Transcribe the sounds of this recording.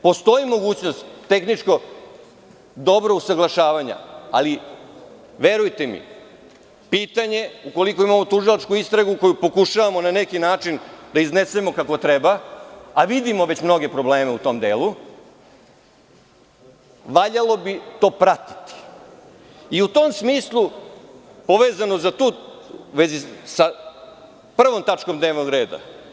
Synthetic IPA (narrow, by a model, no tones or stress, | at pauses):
po̞st̪o̞imo̞ɡuːt͡ɕnost̪ːe̞xnit͡ʃko̞ | d̪o̞bɾo̞usaɡlˠaʃaːʋaɲa̰a̰li | ʋe̞ɾujt̪emḭ | piːt̪aɲe̞uko̞liko̞imamo̞t̪uʒilˠat͡ʃkuist̪ɾaɡuko̞jupo̞kuʃaʋamo̞nanekinaːt͡ʃind̪aizne̞se̞mo̞kako̞t̪ɾebaaʋid̪imo̞ʋe̞t͡ɕmno̞ɡe̞pɾoble̞ːmeut̪o̞md̪eːlu | ʋaʎalo̞bit̪o̞ːpɾat̪i̥t̪i̥ | iut̪o̞msmiːslˠu | po̞ʋeːzano̞zat̪uːʋe̞zisa | pr̩ʋo̞mt̪at͡ʃko̞md̪ne̞ːʋno̞ɡɾe̞ːd̪a̰